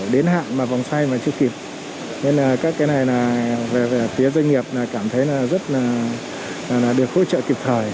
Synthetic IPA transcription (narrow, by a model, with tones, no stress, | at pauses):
ɗe˨˦nɦa̰ː˧˨nmaː˨˩va˨˩wŋ͡mswa˧jmaː˨˩t͡ɕɨ˧əki˨˩p̚ | ɲe˧naː˨˩kaː˦˥kːaː˨˦jna˨˩jnaː˨˩ve˨˩ve˨˩fi˨˦əzə˧ŋŋi˨˩əp̚naː˨˩kaː˧˩mt̪ʰə˨˦jnaː˨˩zə˦˥t̚naː˨˩˨ | naː˨˩ɗɨ˨˩əkho̰˧˥t͡ɕə̰ː˧˨ki˨˩p̚t̪ʰəː˨˩j